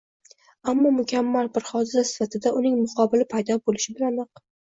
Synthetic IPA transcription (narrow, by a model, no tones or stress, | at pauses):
amːɒmʊkʲʰamːalbɪɾχɒd̪ɪsasɪ̥fat̪ʰɪd̪aʊnɪŋmʊqʰɒbɪlɪpʰajd̪ɒbolɪʃɪbɪlanɑq